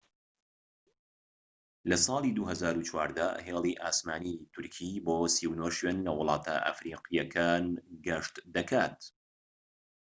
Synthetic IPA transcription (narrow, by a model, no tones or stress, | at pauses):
lɐsɑːlˠid̪uhɐzaːɾut͡ʃwaːɾd̪ɐ̰heːlˠiʔaːsmaːnit̪ʰʊɾkʰiboːsiwnoːʃweːnlɐwʊlˠɑːt̪ʰa̰ʔa̰fɾiːqijɐkʰaːnɡɐʃt̪d̪ɐkʰaːt̪